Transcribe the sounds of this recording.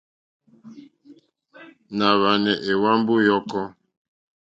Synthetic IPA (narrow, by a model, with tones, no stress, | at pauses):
na˨βa˨nɛ˨ʔe˨wa˦m˦bu˦jɔ˦kɔ˦